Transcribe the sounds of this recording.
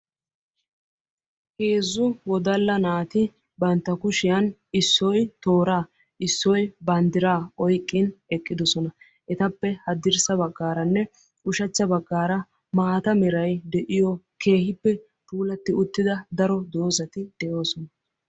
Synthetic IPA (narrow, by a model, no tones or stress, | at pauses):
heːzːʊwɔd̪ɐlːɐnaːt̪ɪ | bɐnt̪ːɐkʊʃɪjɐnɪsːɔjt̪o̞ːɾaː | ɪsːɔjbɐnd̪ɪɾaːɔjkʼːɪnɛkʼːɪd̪ɔsɔnɐ | ʔɛt̪ɐpːɛhɐd̪ɪɾsɐbɐɡːaːɾɐnːɛ | ʊʃɐt͡ʃːɐbɐɡːaːɾɐ | maːt̪ɐmɛɾɐjd̪ɛʔɪjɔ | kʰe̞ːhɪpːɛ | t̪uːlɐt̪ːɪʊt̪ːɪd̪ɐd̪ɐɾɔd̪o̞ːzɐt̪ɪd̪̥ɛʔoːsɔnɐ